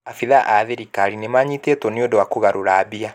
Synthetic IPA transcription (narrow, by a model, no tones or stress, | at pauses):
afiðaʔaðeɾikaɾinemaɲitetɔniodowakoɣaɾoɾaːbia